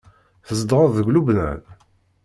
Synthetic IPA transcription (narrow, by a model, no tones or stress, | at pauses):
θəzd̪ʁəððəɡʷlubnæ̰l